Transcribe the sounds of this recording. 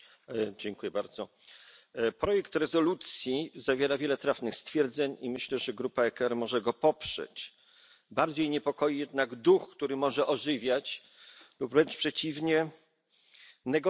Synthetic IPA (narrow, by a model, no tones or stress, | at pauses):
d͡ʑɛŋkujɛbaɾd̪zɔ | pɾɔjɛkt̪ɾɛzɔlut̪sʲjizavʲjɛɾavʲjɛlɛt̪ɾafnɘxst̪fʲjɛɾd̪zɛɲimɘɕlɛʐɛɡɾupaɛkɛɾmɔʐɛɡɔpɔpʂɛ̰t͡ɕ | baɾd͡ʑejɲɛpɔkɔjijɛd̪̚naɡd̪uxkt̪uɾɘmɔʐɛʔɔʐɘvʲjat͡ɕ | luplɛnt͡ʂpʂɛt͡ɕivɲɛ | nɛɡɔ